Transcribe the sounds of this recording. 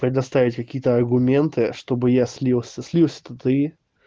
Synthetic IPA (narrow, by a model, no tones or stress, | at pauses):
pɾʲɪd̪ɐst̪avʲɪtʲkɐkʲijət̪əɐrɡʊmʲe̞nt̪ɨʂt̪o̞bɨjasʲlʲilˠsʲəsʲlʲilˠsʲə̥t̪ət̪ɨ